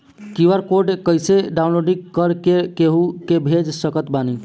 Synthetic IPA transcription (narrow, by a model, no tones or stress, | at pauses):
kiʋaɾkoɾɖkəɪseɖaũnloɖikːəɾkekeɦukebʱed͡ʒsəkət̪bani